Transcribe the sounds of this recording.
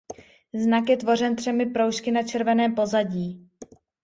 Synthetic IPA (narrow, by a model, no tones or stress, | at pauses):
znakjɛt̪vo̞r̝ɛnt̪r̝̥ɛmɪpɾowʃkɪnat͡ʃɛɾvɛnɛːmpo̞zaɟiː